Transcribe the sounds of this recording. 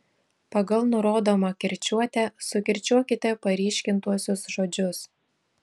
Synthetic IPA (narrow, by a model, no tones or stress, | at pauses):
pɐɡɐlˠnʊɾoːd̪oːmɐkʲɪɾʲt͡ʃʲuɔt̪ʲɛsʊkʲɪɾʲt͡ʃʲuɔkʲɪt̪ʲɛpɐɾʲiːʃʲkʲɪnt̪uɔsʲʊsʒoːd͡ʒʲʊs